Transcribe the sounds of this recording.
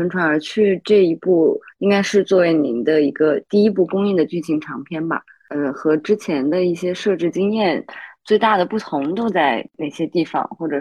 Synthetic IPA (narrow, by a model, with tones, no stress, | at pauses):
ə˧˥ŋnʈ͡ʂʰwa˧˥nə˞˧˥t͡ɕʰy˥˧ʈ͡ʂɤ˥˩i˧˥pu˥˩i˥ŋka˥ɪʂɻ̩˥˧t͡swɔ˥˩we˧˥ɪni˧˥nd̪ə˧i˧˥ɡə˧t̪i˥˩i˥p̬u˥˩kʊ˥ŋi˥˩d̪ə˩t͡ɕy˥˩t͡ɕʰi˧˥ŋʈ͡ʂʰɑ˧˥ŋpʰjɛ˥˩nbɐ̰˨˩ | ə˧xɤ˧˥ʈ͡ʂɻ̩˥t͡ɕʰjɛ˧˥nd̪ə˧i˥˩ɕjɛ˥ʂɤ˥˧ʈ͡ʂɻ̩˥˩t͡ɕi˥ŋjɛ˥˩nt͡swe˥˧ɪt̪a˥˩d̪ə˩pu˥˩t̪ʰʊ˧˥ŋt̪o˥ʊt͡sa˥˩ɪne˨˥˩ɪɕjɛ˥t̪i˥˩fɑ̰˨˩˦ŋxwɔ˥˩ʈ͡ʂɤ˨˩